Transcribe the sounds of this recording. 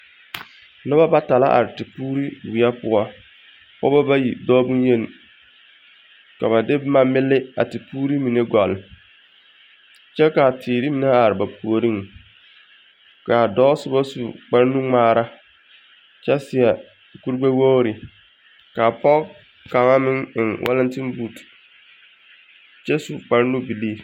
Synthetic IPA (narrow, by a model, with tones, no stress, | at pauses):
nʊ˦ba˦ba˦ta˨la̰˦ʔa̰˨ɾɪ˨tɪ˨puː˦ɾi˦wɪ˨a˦pʊ˨ɔ˦ | pɔ̰˦ba˦ba˦ji˨dɔː˦bu˦ŋ˦je˦n˨ | ka˨βa˨dɪ˦bma˨mɪ˦lːɪ˦a̰˨tɪ˨puː˦ɾi˦mi˨ne˦ɡɔ˨lɪ˨ | t͡ʃɛ˦ka˨tʰiː˨ɾi˦mi˨ne˦a˨ɾɪ˨ba˨pu˨o˨ɾi˦ŋ˨ | ka˨dɔː˦sʊ˦ba˦su˨k͡pa˦ɾnu˦ŋ͡maː˦ɾa˦ | t͡ʃɛ˦sɪ˨ɛ˨ | ku˦ɾɡ͡ba˦wo˦ɾɪ˨ | ka˨pɔ˦ | ka˨ŋa˦mɪ˦ŋɪ˨ŋwʔa̰˦la˦ntɪ˦n˦buː˦˨t | t͡ʃɛ˦su˨k͡pa˨ɾnu˦bi˨liː˦˨